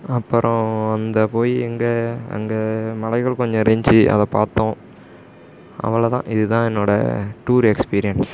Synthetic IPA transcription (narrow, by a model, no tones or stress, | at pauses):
ɐpːɯɾɔ̃ɐnd̪ɐpoːjiɛŋɡɐɐ̰ŋɡɐmɐɭɐɪɣɐɭkɔɲd͡ʒɔ̃ɾɛɲd͡ʒɯʔɐ̰ðɐ̃paːɾt̪õ | ɐ̰ʋɐlɐt̪ã̰ːʔɪðɯt̪ãːɛnːoːɽɐ̰ʈuːɾɛkspiːɾɪjɐns